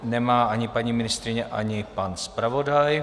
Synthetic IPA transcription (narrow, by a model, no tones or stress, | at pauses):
nɛmaːʔaɲɪpaɲiːmɪnɪst̪ɾɪɲɛʔaɲɪpanspɾavo̞daj